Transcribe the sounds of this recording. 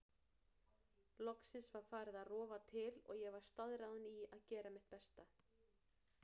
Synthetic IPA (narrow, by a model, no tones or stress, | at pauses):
lɔksɪnsvaɾ̥faːɾɪðaðrɔːvat̪ʰɪlɔ̰ɣjɛɣvaɾ̥st̪aðɾaðʏniaðcɛːɾamɪht̪̚pɛst̪a